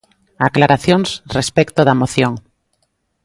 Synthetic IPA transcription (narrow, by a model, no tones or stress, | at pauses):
aklaɾaθjõŋsrespekt̪oðamoθjõŋ